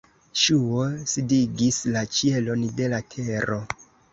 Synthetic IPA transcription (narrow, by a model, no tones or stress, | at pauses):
ʃuosidiɡislat͡ʃie̞lo̞nde̞latʰe̞ɾo̞